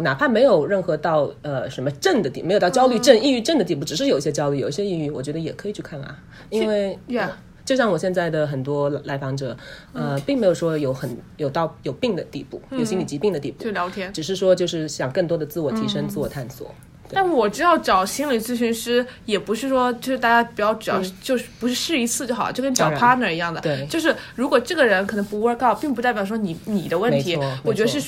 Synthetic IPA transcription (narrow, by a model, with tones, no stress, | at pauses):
na˨˩pʰa˥nme˧˥ɪjo˨˩ʊɻə˥˩nxɤ˧˥t̪ɑ˥˩ʊə˧ʂə˧˥nmə˧ʈ͡ʂə˥˩nd̪ə˩i˥˩me˧˥o˨˩ɑ˥˧t͡ɕjɑ˥ʊly˥˧ʈ͡ʂə˥˧ni˥˧y˥˧ʈ͡ʂə˥˩nd̪ə˩i˥˧p̬u˥˩ʈ͡ʂ̩˨˩ʂɻ̩˥˩jo˨˩i˥˩ɕjɛ˥t͡ɕjɑ˥ʊly˥˩jo˨˩ʊi˥˩ɕjɛ˥i˥˧y˥˩wɔ˨˩t͡ɕɥɛ˧˥d̪ə˧jɛ˨˩kʰɤ˧˥i˨˩t͡ɕʰy˥˧kʰa˥˩na̰˨˩ | i˥nwe˥˧ɪ˧˩˧ | t͡ɕjʊɕjɑ˥˩ŋwɔ˨˩ɕjɛ˥˧nt͡sa˥˩ɪd̪ə˩xə˨˩nt̪wɔ˥la˧˥ɪfɑ˧˥ŋʈ͡ʂɤ˨˩˦ə˧pi˥˩ŋme˧˥jo˨˩ʊʂwɔ˥jo˧˥ʊxə˨˩njo˨˩ʊt̪ɑ˥˧ʊjo˨˩ʊpi˥˩ŋd̪ə˩t̪i˥˧pṵ˥˩jo˨˩ʊɕi˥li˨˩t͡ɕi˧˥pi˥˩ŋd̪ə˩t̪i˥˧pṵ˥˧ljɑ˧˥ʊt̪ʰjɛ˥ʈ͡ʂɻ̩˨˩ʂɻ̩˥˩ʂwɔ˥t͡ɕjo˥˧ʊʂɻ̩˥˩ɕjɑ˨˩ŋkɤ˥˩ŋt̪wɔ˥d̪ə˨t͡sɹ̩˥˩wɔ˨˩t̪ʰi˧˥ʂə˥ŋt͡sɹ̩˥˩wɔ˨˩t̪ʰa˥˩nswɔ̰˨˩˦ | t̪a˥˩˥wɔ˨˩ʈ͡ʂɻ̩˥t̪ɑ˥˩ʊʈ͡ʂɑ˨˩ʊɕi˥nli˨˩t͡sɹ̩˥˩ɕy˧˥nʂɻ̩˥jɛ˨˩pu˧˥ʂɻ̩˥˩ʂwɔ˥t͡ɕjo˥˧ʂɻ̩˥˩t̪a˥˩t͡ɕja˥pu˨˩jɑ˥˩ʊʈ͡ʂɻ̩˨˩jɑ˥˧ʊʂt͡ɕjo˥˧ʊʂɻ̩˥˩pu˧˥ʂɻ̩˥˧ʂɻ̩˥˩i˧˥t͡sʰɹ̩˥˧t͡ɕjo˥˩xt͡ɕo˥˩kə˥t͡ɕɑ˨˩˧pʰa˥nə˧i˧˥jɑ˥˩ŋd̪ə˩t̪we˥˩ɪt͡ɕjo˥˧ʊʂ̬ɻ̩˥˩ɻu˧˥kwɔ˨˩ʈ͡ʂɤ˥˩ɡə˩ɻə˧˥nkʰnɤ˧˥ŋpu˧˥u˧˥ə˧˥kʰpi˥˩ŋp̬t͡sa˥˩pjɑ˨˩ʂwɔ˥ni˧˥ni˨˩d̪ə˦wə˥˩mentɪi˧˥wɔ˥˩wɔ˨˩t͡ɕɥɛ˧˥ə˧ʂɻ̩˥˧